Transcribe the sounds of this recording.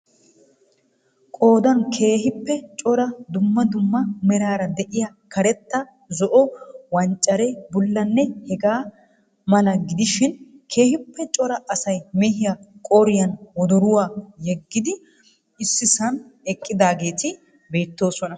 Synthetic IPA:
kʼo̞ːd̪ɐnkʰe̞ːhɪpːɛt͡ʃʼɔɾɐd̪ʊmːɐd̪ʊmːɐmɛɾaːɾɐd̪ɛʔɪja | kɐɾɛt̪ːɐ | zɔʔɔwɐnt͡ʃʼːɐɾɛbʊlːɐnːɛhɛɡaː | mɐlɐɡɪd̪ɪʃɪnkʰe̞ːhɪpːɛt͡ʃʼɔɾɐʔɐsɐjmɛhɪjakʼɔɾɪjɐnwɔd̪ɔɾʊwaːjɛɡːɪd̪ɪ | ɪsːɪsɐnɛkʼːɪd̪aːɡe̞ːt̪ɪ | be̞ːt̪ːo̞ːsɔnɐ

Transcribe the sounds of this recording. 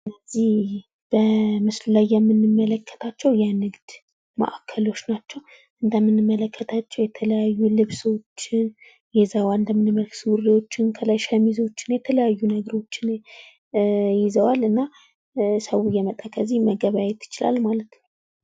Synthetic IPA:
ɨnːəzih | b̥əmɨsllajːɛmːɨnːɨmːələkʰːə̥t̪ʰat͡ʃːɛwjanɨɡd̪ | mə̰ʔakʰːəlo̞t͡ʃːnat͡ʃːɛw | ʔɨnd̪əmːɨnːɨmːələkːət̪ʰat͡ʃːɛwjɛt̪ʰələjajːulɨβso̞t͡ʃːɪn | jɛzawand̪əmːɨnɨmːəlksɨwuɾiwo̞t͡ʃːɪnkʰəlajʃəmizo̞t͡ʃːɪ̥njɛt̪ʰələjajːunəɡəɾo̞t͡ʃːɪn | jɪzəwalɨnːa | səwujɛmət̪ʼakʰəzːihməɡəβajɛt̪ʰːɪ̥t͡ʃɪla̰lmalət̪n

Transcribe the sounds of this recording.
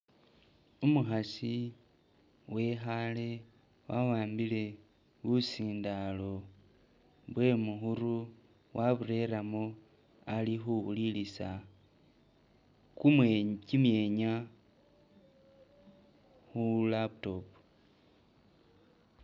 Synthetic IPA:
umuxasi | we̞xale̞ | wawaːmbile̞ | βusiːndalo̞ | βwe̞muxuɾu | wʔaβuɾe̞ɾamo | alixuβulilisa | kumcimje̞ɲa | xulapto̞pu

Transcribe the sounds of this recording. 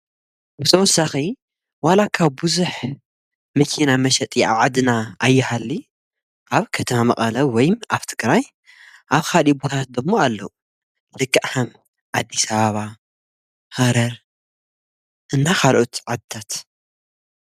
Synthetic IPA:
bɨt̪ʰɐwɔsːaxi | walakʰaβbɨzuħ | mɐkʰinamɐʃɛt̪ʼia̰βʕad̪ɨnaʔajːɪhalːi | ʔaβkʰɐt̪ʰɐmamɐqʼɐlɐwɔjmʔaβt̪ʰɨkʼɾaj | ʔaβxalibot̪ʰat̪̚d̪ɨmːoalːou | lɨkʼːaʔħɐm | ʕad̪ːisɐβaβa | hɐɾɐɾ | ʔɨnːaxalʔot̪ʕad̪̚ɨ̥t̪ʰat̪

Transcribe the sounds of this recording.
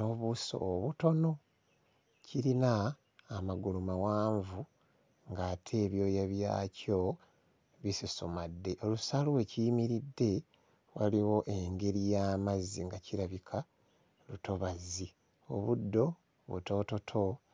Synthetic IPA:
no̞βuso̰ːβuto̞no̞ | ciɾinaː | maɡulumawaːɱvu | ŋɡaːtʰe̞ːβjo̞ːjaβja̰ːco̞ | βisisomadːe̞ʔo̞lusaluwe̞ciimiɾidːe̞ | waliwo̞ʔe̞ŋɡe̞ɾijaːmaziŋɡaciɾaβikʰa | luto̞βazi | o̞̰βudːo̞ | βṵto̞to̞tʰo̞

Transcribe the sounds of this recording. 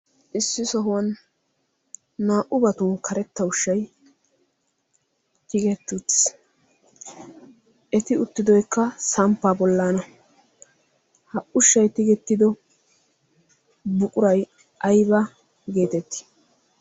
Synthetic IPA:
ʔɪsːɪsɔɦʊwɐn | aːʔʊbɐt̪ʊnkʰɐɾɛt̪ːɐʊʃːɐj | t̪ɪɡɛt̪ːus | ʔɛt̪ɪʊt̪ːɪd̪ɔjkːɐsɐmpːabɔlːaːnɐ | hɐʔʊʃːɐjt̪ɪɡɛt̪ːɪd̪ɔ | bʊkʼʊɾɐj | ʔɐjbɐ | ɡe̞ːt̪ɛt̪ːɪ̥

